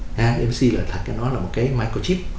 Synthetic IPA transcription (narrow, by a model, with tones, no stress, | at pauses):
ʔaː˧ʔɛ˧msi˧ləː˨˩t̪ʰa̟˨˩kaː˨˦nɔ˨˦laː˨˩mo˨˩t̚kaː˨˦jmaː˧jko˧t͡ɕi˦˥p̚